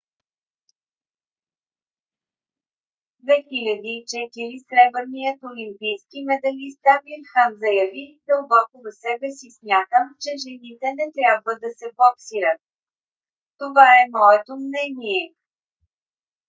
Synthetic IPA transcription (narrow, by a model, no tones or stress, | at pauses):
d̪vɛxilʲəd̪iːt͡ʃɛt̪iɾisɾɛbəɾnijət̪olimpijskimɛd̪ɐlist̪avilxamzɐjɐvid̪əlˠbɔkovɐsɛbɛsismʲjat̪əmt͡ʃɛʒɛnit̪ɛnɛt̪ɾʲjabvəd̪ɐsɛbɔksiɾət̪̚ | t̪ovaɛmɔɛt̪omnɛniɛ